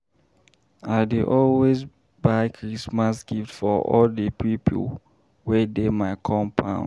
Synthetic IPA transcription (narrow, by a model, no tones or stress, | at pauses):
aɪdeʔɔlwez | baɪkʰɹismasɡiftfɔʔɔ̰ldəpʰipʰə̰ | wɛdemaɪkʰɔ̃mpʰã̰ʊ̃